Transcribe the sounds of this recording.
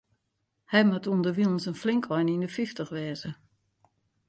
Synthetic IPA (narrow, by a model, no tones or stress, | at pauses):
hɛjmatuəndəʋilˠn̩sənflɪŋkʰɔjnindəfiftəxʋɛːzə